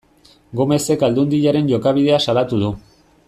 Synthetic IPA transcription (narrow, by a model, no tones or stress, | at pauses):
ɡome̞se̞kald̪und̪iʎaɾe̞nʝo̞kaβ̞ið̞e̞asalat̪uðu